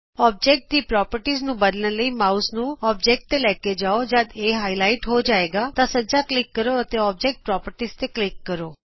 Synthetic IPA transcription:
ɔb̚d͡ʒek̚ʈ̚t̪ipɾɔpəɾʈiznũbənlẽləimausnũɔpd͡ʒek̚ʈt̪elɛked͡ʒaod͡ʒad̪eɦailaiʈɦod͡ʒaeɡat̪asəd͡ʒaklɪkːəɾoət̪eɔb̚d͡ʒek̚ʈ̚pɾɔpəɾʈizt̪eklɪkːəɾo

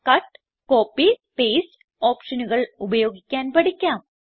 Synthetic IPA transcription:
kɐʈː | koːpːipejs | oːpʂɐnuɣɐɭubɐjo̞ːɡikʲːaːnpɐɽikʲːaːm

